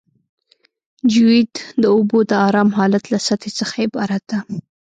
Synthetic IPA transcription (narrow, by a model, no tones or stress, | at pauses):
d͡ʒuwid̪d̪əobod̪əɑɾɑmɦɑlat̪lasat̪ʰet͡səxajebɑɾad̪a